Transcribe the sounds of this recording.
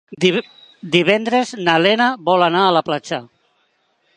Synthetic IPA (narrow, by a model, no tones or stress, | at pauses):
d̪iβɛnd̪ɾeznalenaβɔlanaəlaplat͡ʃa